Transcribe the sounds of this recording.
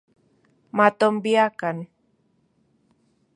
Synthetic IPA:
mat̪ombiakan

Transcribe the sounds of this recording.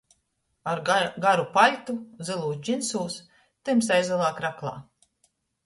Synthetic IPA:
aɾɡaɾupalʲt̪uzilˠuːsd͡ʒinsuːs | t̪ɨms̬ajzɛlˠaːkɾaklˠa̰ː

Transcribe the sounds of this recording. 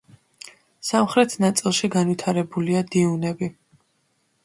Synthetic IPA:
samχɾɛt̪ʰnat̪sʼilˠʃiɡanwit̪ʰaɾɛbuliad̪iunɛbi

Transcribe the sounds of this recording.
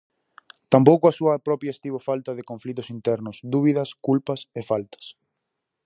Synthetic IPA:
t̪ampowkʊɐsuɐpɾɔpjɐest̪iβofalt̪ɐðɪkõɱflit̪ʊsint̪ɛɾnʊsd̪uβiðɐskulpɐsefalt̪ɐ̥s

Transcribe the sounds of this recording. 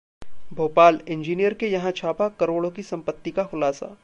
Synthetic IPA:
bʱoːpaːlɪ̃ɲd͡ʒiːnijəɾkejɐɦãt͡ʃʰaːpakɐɾoːɽõkisɐ̃mpət̪ːikaxʊlaːsa̰ː

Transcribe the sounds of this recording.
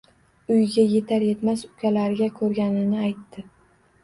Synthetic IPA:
ʊjɡʲaje̞t̪ʰaɾje̞t̪masʊkʲʰalaɾɪɡʲakʰɵɾɡʲanɪnɪajt̪ːɪ

